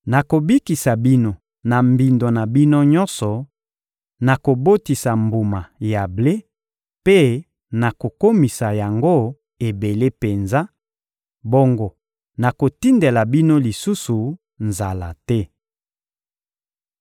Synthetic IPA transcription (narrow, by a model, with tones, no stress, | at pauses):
na˨ko˨bi˦ki˨sa˨bi˦no˨ | na˨mbi˨ndo˨na˨bi˦no˦ɲɔ˦nsɔ˨ | na˨ko˨bo˦ti˨sa˨mbu˨ma˨ja˨ble˦ | pe˦ | na˨ko˨ko˦mi˨sa˨ja˨ŋɡo˦ | e˨be˨le˦pe˨nza˦ | bo˦ŋɡo˨ | na˨ko˨ti˦nde˨la˨bi˦no˦li˨su˦su˨ | nza˨la̰˨tɛ˦